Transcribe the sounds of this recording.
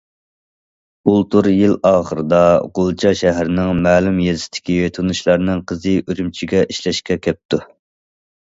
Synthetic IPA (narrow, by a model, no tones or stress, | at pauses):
ulˠt̪uɾjilɑːχəɾɨd̪ɑʁolˠt͡ʃʰɑʃæɦɾɪnɪŋmæːlumjezɪt̪ʰɪ̥kʲiet̪ʰunuʃlˠɑɾnɪŋqʰəzɨʔøɾymt͡ʃʰiɡʲɛʔiʃlɛʃkʲɛkʲʰɛp̚t̪ʰu